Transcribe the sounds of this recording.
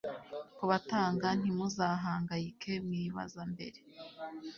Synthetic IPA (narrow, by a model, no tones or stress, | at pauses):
kuβataːŋɡan̥imuzaːɦaːŋɡajikʰe̞mwiːβa̰zambe̞̰ɾe̞